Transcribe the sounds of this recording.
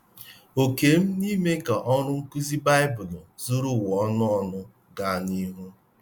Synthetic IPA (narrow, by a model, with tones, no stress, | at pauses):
o˨ke˨m̩˦ni˦me˦ka˨ʔɔ˦ɾʊ˦ŋ̩˦ku˦zi˦ba˦ɪ˦bʊ˨lʊ˨zu˦ɾu˦˨wɔ˨˦nʊ˦ɔ˦nʊ˦ | ɡa˨ni˦ɦu˦